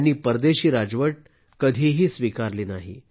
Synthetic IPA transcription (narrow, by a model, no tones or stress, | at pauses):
niːpəɾd̪eɕiːɾad͡zʋəʈ̚ | kəd̪ʱiːɦiːsʋikaɾliːnaɦḭ